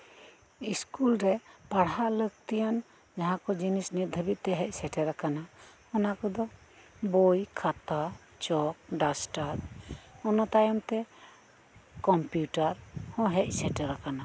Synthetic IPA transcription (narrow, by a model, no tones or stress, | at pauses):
iskulɾɛpaɽɦaʔləkt̪ijan | d͡ʒaɦãkɔd͡ʒinisnit̪̚d̪ʱəbit̪̚t̪ɛɦɛc̚ˀsɛʈɛɾakana | ɔnakɔd̪ɔ | bɔjkʰat̪a | t͡ʃɔk̚ɖasʈaɾɔnɔt̪ajɔmt̪ɛ | kɔmpjuʈaɾhɔ̃ɦɛc̚ˀsɛʈɛɾakana